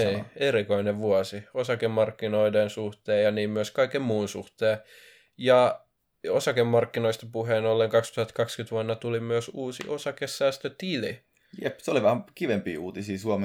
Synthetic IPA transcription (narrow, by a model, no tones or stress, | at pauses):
eieɾikoineʋʋuɑsiosɑkemmɑrkːinoidensuht̪eːjɑniːmmyøskɑikːemmuːnsṵht̪eː | jɑ | osɑkemːɑrkːinoist̪ɑpuɦeːnolːeŋkɑkst̪uhɑt̪kɑkskyt̪ʋuɑnːɑt̪ulimyøsuːsḭʔosɑkesːæːst̪øt̪ili | jepseoliʋæhæmkiʋempḭːuːt̪isiːsuome